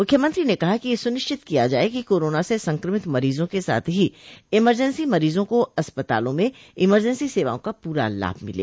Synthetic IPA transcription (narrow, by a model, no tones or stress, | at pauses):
mʊkʰjəmɐ̃nt̪ɾinekɐɦakijesʊnɪʃt͡ʃɪt̪kijad͡ʒa̰ːekikoːɾoːnasesɐ̃ŋkɾəmɪt̪mɐɾiːzõkesa̰ːt̪ʰɦiɪməɾd͡ʒənsimɐɾiːzõkoɐspət̪a̰ːlõmẽɪməɾd͡ʒə̃nsiseːʋa̰ːõkapuːɾa̰la̰ːbʱmɪlḛː